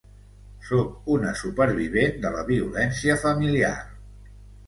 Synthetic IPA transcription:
sok̚unəsupəɾβ̞iβ̞end̪ələβiulɛnsiəfəmilia̰r

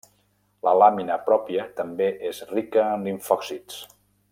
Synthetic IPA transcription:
lə̰laminəpɾɔpiət̪əmbeʔezrikəːnliɱfɔksit͡s

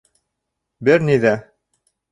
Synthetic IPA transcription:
bɘɾniðæ

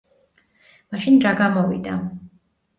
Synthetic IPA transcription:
maʃinɾaɡamɔvḭd̪a̰

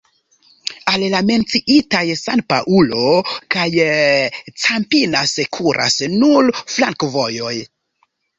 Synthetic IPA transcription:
allame̞nt͡siʔitajsanpa̰ʔulo̞kaj | t͡sampinasekʰuɾʔa̰snuɾflaŋkvo̞jo̞j

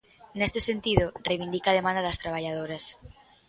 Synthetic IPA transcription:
nest̪esent̪iðʊrejβind̪ikað̞emãnd̪aðɐst̪ɾaβ̞aʎað̞oɾas

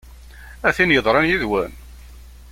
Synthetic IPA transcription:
æθinjəðˤɾˤɑnjiðwæn

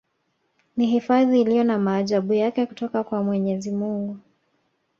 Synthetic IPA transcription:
niɦifaðiːlijɔnamaːʄaɓujakɛku̥tɔkakwamwɛɲɛzimuŋɡu

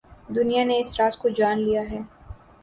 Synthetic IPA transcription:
d̪ʊnijaneɪsɾaːzkod͡ʒaːnlijaɦɛː

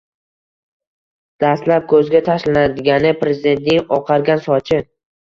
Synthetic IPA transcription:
d̪̥ast̪lap̚kʰɵzɡʲat̪ʰaʃlanad̪ɪɡʲanɪpɾe̞zɪd̪e̞nt̪̚nɪŋɒqʰɑɾɡʲansɒt͡ʃʰɪ

